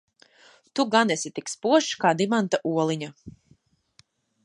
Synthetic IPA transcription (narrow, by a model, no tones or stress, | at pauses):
t̪uɡanɛsʲit̪ikspuɔʃkaːd̪imant̪aʔuɔlˠiɲa